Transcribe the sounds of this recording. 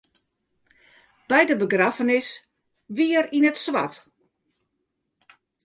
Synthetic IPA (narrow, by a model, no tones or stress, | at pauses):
b̥ɛjdəbəɡrafənɪs | ʋiərinətsʋa̰t